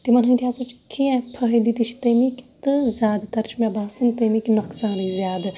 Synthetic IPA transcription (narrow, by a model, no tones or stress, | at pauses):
t̪imɐnɐĩt̪ʰʲiaːzɐt͡ʃkʰiɛ̃pʰɐɦid̪it̪it͡ʃʰi̥t̪ɐjmikt̪ɨzʲaːd̪t̪ɐɾt͡ʃʰmabaːsint̪ɐjmiknɐkʰsãːɾizjaːd̪